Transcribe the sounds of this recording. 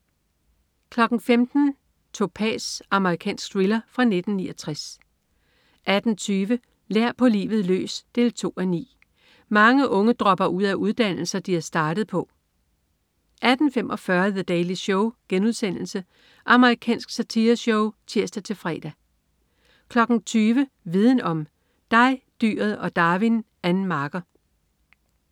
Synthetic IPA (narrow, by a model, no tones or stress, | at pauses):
kʰlɒ̽ɡ̥n̩femd̥n̩ | t͡sʰo̝pʰɛ̰ːsɑ̈məʁikʰɛ̰ːnsɡ̥̚d̥ʁilɐfʁɑ̈ne̝d̥n̩ːiːɒt͡sʰʁas | ʔæd̥n̩t͡sʰyːʋə | leɐ̰pʰɒ̽lḭːʋð̞̩ˠlø̰ːsd̥e̝ːlt͡sʰo̝̰ːænḭː | mɑ̈ŋəʔɔ̽ŋəd̥ʁɒ̽b̥ɐʔuð̰ˠæʔuð̞ˠd̥æn̰l̩sɐd̥iæsd̥ɑ̈ːd̥əð̩ˠpʰɒ̽ | ʔæd̥n̩fem̰ʔɒ̽fɶɐðəd̥ɛːɪliɕɔʊɡ̥enuð̞ˠsen̰l̩sə | ʔɑ̈məʁikʰɛ̰ːnsɡ̥sæt͡sʰiɐɕɔʊt͡sʰiɐsd̥æt͡sʰe̝fʁɛ̰ːd̥æ | kʰlɒ̽ɡ̥n̩t͡sʰyːʋə | ʋið̞ˠn̩ɒ̽m | d̥ɑ̈ɪd̥y̰ːɐð̩ˠɒ̽d̥ɑ̈ːʋin | ænn̩mɑ̈ːɡ̥ɐ